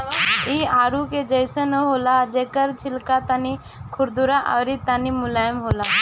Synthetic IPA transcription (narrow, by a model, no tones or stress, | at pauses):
iaːɾuked͡ʒəɪsənəɦoːlad͡ʒeːkəɾt͡ʃʰɪlkat̪ani | kʰʊɾd̪uɾaʔɔːɾit̪animʊlaːjəmɦoːlaː